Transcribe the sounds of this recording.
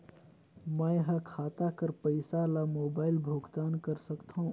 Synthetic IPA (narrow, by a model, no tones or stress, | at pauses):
məjɦə̃kʰat̪akəɾpəɪsalamobaɪlbʱuɡt̪ankəɾsəkt̪ʰəũ